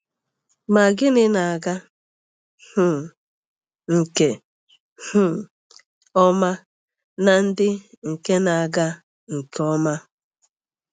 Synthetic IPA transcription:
ma˨ɡɪ˦nɪ˦na˨a˨ɡa˦ | hʊ˦˨ | ŋ̩˨ke˨ | hʊ˦˨ | ɔ˦ma˦ | na˨n̩˦dɪ˦ | ŋ̩˨ke˦na˨a˨ɡa˦ | ŋ̩˨kʰɔ˦ma˦

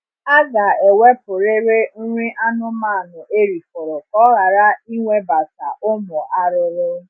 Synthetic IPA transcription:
a˦ɡa˨e˨we˦pʊ˨ɾe˦ɾe˦n̩˦ɾi˦ʔa˦nʊ˦ma˦˨nʊ˨ʔe˦ɾi˨fʊ˨ɾʊ˨kɔ˦ɣa˨ɾa˦i˦ŋʷe˦ba˨sa̰˨ʔʊ˦mʊ˨ʔa˦ɾɪ˦ɾɪ˦

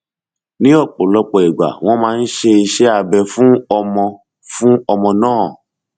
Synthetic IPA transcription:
nĩ˨˦ɔ˦˨k͡po˨lɔ˦k͡pɔ˨e˨ɡ͡ba̰˨w̃ɔ̃˦mãː˦n̩˦ʃe˧i˧ʃe˦a˨bɛ˧fũ˦ɔ˧mɔ̃˧ | fũ˦ɔ˧mɔ̃˧nãː˦˨

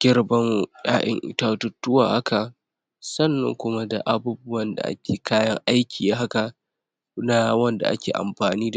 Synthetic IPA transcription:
ɡ̥ʲɪ˦rbɐ˦ŋjaː˦ʔɪ̰˨ŋʔɪ̰˨taː˦tʊ˦tːʊ˦waː˨ha˦kʰa˨ | sɐ˦˨nːɐ̰˨ŋkʷʊ˦ma˦da̰˨ʔa˨buː˦bʊ˦wɐ˦nda̰˨ʔa̰˦kʲʰeː˨kʰaː˦jɐ˦ŋʔa˦jkʲiː˨ja˦ɦa˦ka˨ | na˦wɐ˦nda̰˨ʔa̰˦kʲḛː˨ʔa̰˨mɸaː˨niː˦d

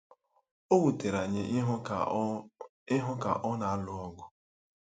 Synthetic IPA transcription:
o˦wu˨te˨ɾa˨ɲe˨˦ | ɪ˦ɦʊ˦ka̰˨ʔɔ˦na˨a˦lʊ˦ɔ˦ɡʊ˦

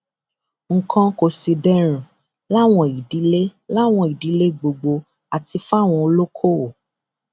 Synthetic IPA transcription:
ŋ̩˨kʰɔ̃˧ko˧si˧dɛ˦ɾ̃ũ˨ | la˦˨w̃ɔ̃˧˨i˨di˨˦le˦la˦˨w̃ɔ̃˧˨i˨di˨˦le˦˨ɡ͡bo˧ɡ͡bo˧ | a˨ti˧fa˦˨w̃ɔ̃˧o˧lo˦kʰo˦o˨

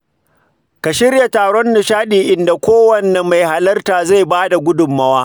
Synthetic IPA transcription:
ka˨ʃɪ˦rja˨taː˨ɽɔ˦nːʊ˨ʃaː˦ɗiː˨ʔɪ˨nda˨kʷoː˦wɐ˨nːɛ˨ma˨jha˨lɐ˦rtaː˨za˦˨jbaː˦da˨ɡʷʊ˦dʊ˨mːɐ˦waː˦

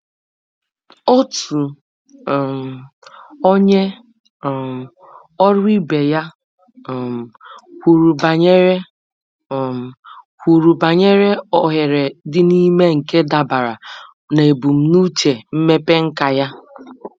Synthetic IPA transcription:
o˦tu˨ɾu˨ | m˨ | o˦ɲe˦˨ | ɔ˦ɾi˦be˨ja˦˨ | m˨hʷu˨ɾu˨ba˨ɲe˦ɾe˦˨ | m˨ | hʷu˨ɾu˨ba˨ɲe˦ɾe˦ɔ˨ɦe˨ɾe˨dɪ˦ni˦me˦ŋ̩˨ke˦da˨ba˨ɾa˨ | ne˨bu˨m̩˦nu˦t͡ʃe˨m̩˦me˦pe˦ŋ̩˦ka˨ja˦

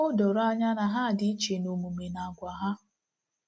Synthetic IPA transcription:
ʊ˦do˨ɾa˦ɲa˦na˨ɦa˦˨dɪ˦i˦t͡ʃe˨no˨mu˨me˨na˨ɡʷa˨ɦa˦

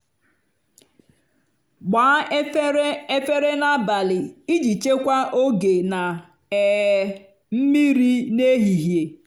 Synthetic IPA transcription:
ɡ͡baː˨˦e˦fe˦ɾe˦na˦ba˨lɪ˨i˦d͡ʒi˨t͡ʃe˦kʷa˦ʔo˦ɡe˨na˨ | ɛ˨ | m̩˦mi˦ɾi˦ne˦ɦi˨ɦje˨

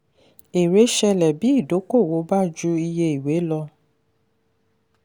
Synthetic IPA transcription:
e˨ɾe˨˦ʃɛ˧lɛ˨bi˦i˦˨do˨˦ko˦˨wo˨˦ba˦˨d͡ʒu˧i˧je˧i˨we˨˦lɔ˧

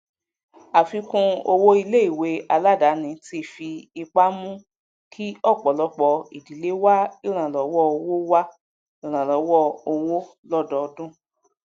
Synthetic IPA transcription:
a˨fi˧˦kũ˧o˧wo˦i˧le˦i˦˨we˨˦a˧la˦˨da˨˦nĩ˧˦ti˦˨fi˧i˧k͡pa˦mũ˦ | kʰi˦ɔ˦˨k͡pɔ˨lɔ˧˦k͡pɔ˧i˨di˨˦le˦wa˦i˦˨ɾ̃ã˨lɔ˨˦wɔ˦o˧wo˦wa˦ | i˦˨ɾ̃ã˨lɔ˨˦wɔ˦o˧wo˦ | lɔ˦dɔ˨˧dũ˦˨

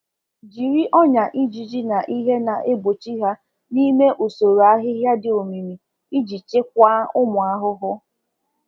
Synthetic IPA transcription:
d͡ʒi˨ɾi˦ʔɔ˦ɲa˨ʔi˦d͡ʒi˨d͡ʒi˦na˨ʔi˦ɦe˦na˨ʔe˦bo˨t͡ʃi˦ɦa˦ | ni˦me˦ʔo˨so˨ɾo˨a˦ɦɪ˦ɦja˦dɪ˨o˨mi˨mi˨ | i˦d͡ʒi˨t͡ʃɪ˦k̚ʷa˦ʊ˦mʊ˨a˦ɦʊ˦ɦʊ˦

